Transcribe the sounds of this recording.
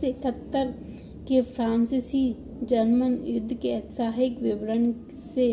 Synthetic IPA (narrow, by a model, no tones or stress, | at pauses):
eɪkət̪ːəɾ | kepʰɾãːnsɪsiː | d͡ʒənmənjʊd̪ʱːkeɛt̪saːɦɪkʋɪʋɾən | se